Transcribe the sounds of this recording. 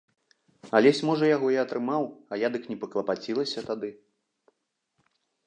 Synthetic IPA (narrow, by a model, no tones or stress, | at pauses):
ɐlʲɛsʲmɔʐɐjaɣɔjiɐt̪ɾɨmawɐjad̪ɨknʲɛpɐklˠɐpat͡sʲilˠɐsʲɐt̪ad̪ɨ